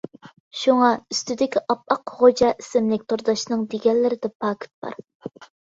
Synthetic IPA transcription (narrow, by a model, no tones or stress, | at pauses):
ʃuŋɑyst̪yd̪ɪkʲiʔɑp̚ɑqχod͡ʒɑʔisɪmlɪkʲt̪ʰoɾd̪ɑʃnɨŋd̪eɡʲɛlːɪɾɪd̪ɛpʰɑkʲʰt̪̚bɑ̰ɾ